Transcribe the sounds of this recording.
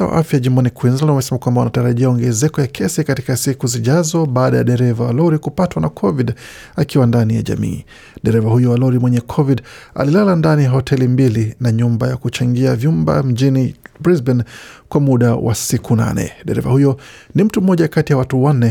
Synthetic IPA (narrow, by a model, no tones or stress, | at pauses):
awa̰ʔafjaʄimbɔnikwinzalnwamɛsɛmakwambawunataɾaʄiaɔŋɡɛzɛkɔjakʰɛsikati̥kasikuziʄazɔɓaːɗaja̰ɗɛɾɛvawa̰lɔɾikupatwanakʰɔviɗ | akiwandanija̰ʄa̰mḭː | ɗɛɾɛvahujɔwalɔɾimwɛɲɛkʰɔviɗa̰lilalandanijaɦɔtʰɛlimbilinaɲumbajakut͡ʃaŋɡiavjumba̰m̩ʄinibɹizbɛnkwamuɗawʔa̰sikʰuna̰nɛ̰ɗɛɾɛ̰va̰hujɔnim̩tum̩ːɔʄakatijawatuwanːɛ